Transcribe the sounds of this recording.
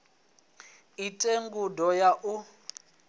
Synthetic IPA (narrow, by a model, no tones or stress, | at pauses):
itʼeŋɡudɔjaʔu